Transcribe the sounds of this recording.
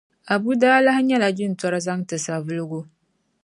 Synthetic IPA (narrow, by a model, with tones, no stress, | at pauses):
a˨bu˦daː˦la˦hɲɛ˦la˨d͡ʒɪ˦n̩˨tɔ˦ɾɨ˦za˦ŋtɨ˨sa˨vɨ˦lɨ˦ɡo˦